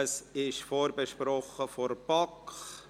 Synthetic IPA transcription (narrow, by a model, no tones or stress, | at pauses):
əsɪʃfoːɾbəʃpɾɔχəfɔɾpɑkχ